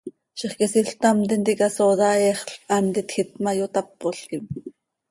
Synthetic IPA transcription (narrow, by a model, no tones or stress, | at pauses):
ʃiχkisiɬt̪ɑmt̪int̪ikɑsoðɑɛχɬʔɑmt̪it̪xit̪̚mɑjot̪ɑpːoɬkim